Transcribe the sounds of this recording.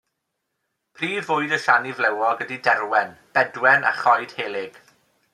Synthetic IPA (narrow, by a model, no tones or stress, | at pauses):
pʰriːvʊɨdəʃanivlɛwɔɡədidɛrwɛnb̥ɛdwɛna̰χɔjd̥heːlˠɪɡ̥